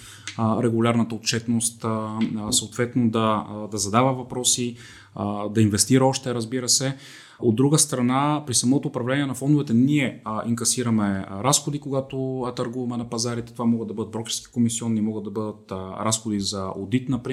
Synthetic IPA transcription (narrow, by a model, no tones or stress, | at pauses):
ɾɛɡʊlʲaɾnət̪əot̪̚t͡ʃɛt̪nost̪səot̪vɛt̪nod̪ɐd̪ɐzɐd̪avəvɐpɾɔsi | d̪ɐinvɛst̪iɾəɔʃt̪ɛɾəzbiɾəsɛ | od̪ːɾuɡəst̪ɾɐnapɾisɐmɔt̪oːpɾɐvlɛniɛnɐfɔnd̪ʊvɛt̪ɛniɛiŋkɐsiɾəmɛɾasxod̪ikoɡat̪ot̪ɐɾɡuvɐmɛnɐpɐzaɾit̪ɛ̥t̪ovamɔɡəd̪ɐbɤd̪ət̪bɾɔkʲiɾski̥komisiɔnːimɔɡəd̪ɐbɤd̪ət̪ɾasxod̪izɐod̪it̪nɐpɾi